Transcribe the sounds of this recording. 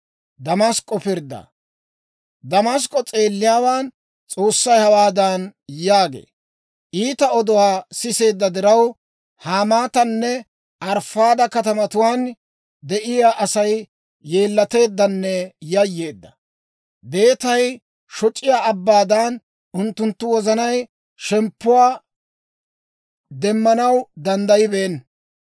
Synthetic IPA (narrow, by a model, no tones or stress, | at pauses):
d̪ɐmaskʼːɔpɪɾd̪ːɐ̰ | d̪ɐmas̬kʼːɔt͡sʼe̞ːlːɪjaːwaːn | t͡sʼo̞ːsːɐjhɐwaːd̪aːnjaːɡe̞̰ː | ʔiːt̪ɐɔd̪ɔwaːsɪse̞ːd̪ːɐd̪ɪɾɐw | haːmaːt̪ɐnːɛ | ʔɐɾfaːd̪ɐkɐt̪ɐmɐt̪ʊwaːn | d̪ɛʔɪjaːʔɐsɐjː | e̞ːlːɐt̪e̞ːd̪ːɐnːɛjɐjːe̞ːd̪ːɐ̥ | be̞ːt̪ɐj | ʃɔt͡ʃʼɪjaːɐbːaːd̪aːn | ʊnt̪ːʊnt̪ːʊwɔzɐnɐj | ʃɛmpːʊwaː | d̪ɛmːɐnɐwd̪ɐnd̪ɐjɪbeːn